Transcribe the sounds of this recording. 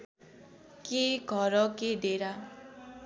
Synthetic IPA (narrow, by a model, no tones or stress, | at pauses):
keɡʱʌɾʌked̪eɾa